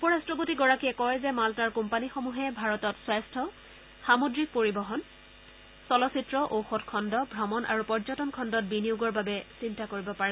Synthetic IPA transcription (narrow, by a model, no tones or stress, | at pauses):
upɔɹastɹɔpotiɡɔɹakiɛkɔjzɛmaltaɹkumpanixomuɦɛbʱaɹɔtɔtswajstʰɔ | xamodɹik̚poɹibɔɦɔn | sɔlɔsitɹɔʔowxɔtkʰɔndɔbʱɹɔmɔnʔa̰ɹupɔɹzɔtɔnkʰɔndɔt̚biniuɡɔɹbabɛsintakoɹibɔpaɹɛ